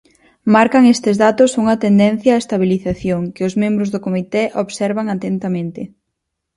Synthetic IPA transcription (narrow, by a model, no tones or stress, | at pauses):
maɾkɐŋest̪ɪzðat̪ʊsuŋɐt̪end̪ɛn̟θjaːest̪aβ̞iliθaθjoŋkɪʊzmẽmbɾʊzðʊkomit̪ɛʔoβsɛɾβaŋat̪ent̪amẽnt̪ɪ